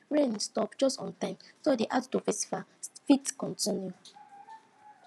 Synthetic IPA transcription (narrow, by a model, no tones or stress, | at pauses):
ɹẽnstɔpd͡ʒɔstɔ̰̃ntãɪ̃msodiʔadtuvesi̥fafitkɔ̃ntĩnju